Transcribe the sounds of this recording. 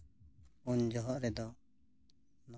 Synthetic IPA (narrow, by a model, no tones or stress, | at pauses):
und͡ʒɔɦɔʔɾɛd̪ɔ | nɔ